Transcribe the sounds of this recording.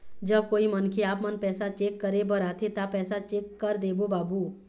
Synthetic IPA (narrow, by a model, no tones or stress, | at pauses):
d͡ʒəb̚koːimənkʰeaːpmənpɛːsat͡ʃeːkːəɾebəɾaːt̪ʰet̪aːpːɛːsat͡ʃeːkːəɾd̪eːbobaːbuː